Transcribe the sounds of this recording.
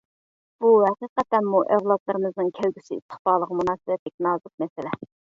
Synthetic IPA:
b̥uɦɛqiːqɛt̪ːɛnmuʔɛvlˠɑt̪lˠɨɾɨmɨznɨŋkʲʰælɡʲysḭːst̪ʰə̥χbɑːlˠəʁmunɑːsɨbɛt̪lɪk̚ʲnɑːzɨq̚mɛsɪlɛ

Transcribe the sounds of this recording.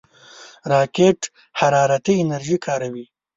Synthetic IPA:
ɾɑːkeʈ | haɾɑːɾat̪iɪnɐɾʒikʰɑːɾawi

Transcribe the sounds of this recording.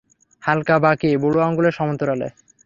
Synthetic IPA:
halkabakiboɽuaɔŋɡoleɾʃɔmont̪oɾalḛ

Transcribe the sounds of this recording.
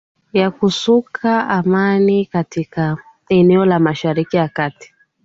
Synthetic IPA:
jakusukʰaamanikatika | ɛnɛɔlamaʃaɾikijakati̥

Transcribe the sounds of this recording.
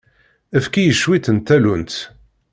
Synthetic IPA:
æfkijəʃːwit̪ənt̪ːælunt̪

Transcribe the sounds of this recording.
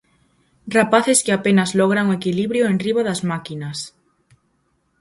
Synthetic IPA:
rapaθeskɪapenazlɔɣ̞ɾaŋoekiliβɾjoenriβaðazmakinɐs

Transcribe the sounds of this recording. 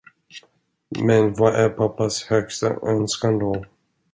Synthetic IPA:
mɛnvaʔæɾpʰapːashœɡst̪a̰ʔœnskand̪ɔ

